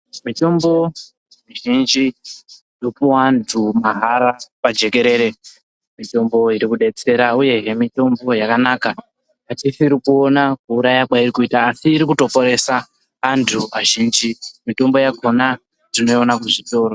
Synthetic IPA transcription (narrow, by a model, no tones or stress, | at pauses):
mito̞mbo̞ | miʒind͡ʒi | jopuwantʰumaɦaɾapad͡ʒe̞ke̞ɾe̞ːɾe̞ | mito̞mbo̞iɾikuɗe̞t͡se̞ɾauje̞ɦemito̞mbo̞jakanaːka | atisiːɾikuonakuuɾajakwairikuitaːsiːɾikuto̞po̞ɾe̞saː | ntʰuaʒind͡ʒimito̞mbo̞jakʰona | dino̞onakuʐito̞ːɾo